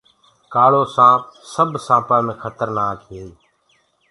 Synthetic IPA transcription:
kaːɭoːsãːpsəbʱsãːpaːmẽːkʰət̪əɾnaːkɦeː

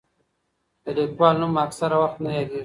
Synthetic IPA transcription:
d̪əlikwɑːlnumaksaɾawaxt̪naɦeɡ̪i

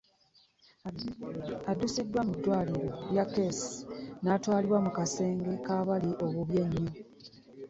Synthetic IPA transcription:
adusidːwamidːwaːliɾo̞ljakːesi̥natwaːliβwamukase̞ːŋɡe̞kaːβaliʔo̞βuβje̞ɲːo

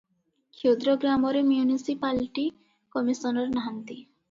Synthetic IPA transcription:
kʰod̪ɾɔɡɾamɔɾemjunisipalʈi | kɔmisɔnɔɾnaɦant̪i

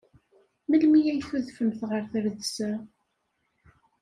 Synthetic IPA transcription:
məlmijæjθuðfəmθʁəɾθəɾðsæ

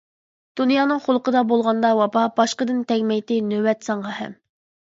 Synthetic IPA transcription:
d̪̥unjɑːnɨŋχʊlˠəqəd̪ɑbolˠʁɑnd̪ɑwɑpɑbɑʃqəd̪ɨnt̪ʰɛɡʲmɛjt̪ɪnøwɛt̪sɑŋʁɑhɛ̰m

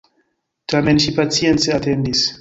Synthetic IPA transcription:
t̪amɛ̃nʃipat͡sjɛnseat̪ɛnd̪is

